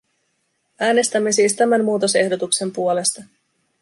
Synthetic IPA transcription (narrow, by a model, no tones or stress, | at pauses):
æːne̞st̪æmːe̞siːst̪æmænmuːt̪o̞se̞hdo̞t̪ukse̞mpuole̞st̪ɑ